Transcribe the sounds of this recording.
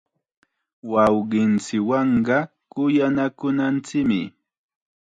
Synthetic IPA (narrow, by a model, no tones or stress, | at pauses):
wɑwɢɪnt͡sɪwɑɴɢɑ | kʊjanakʊnant͡sɪkmɪ̰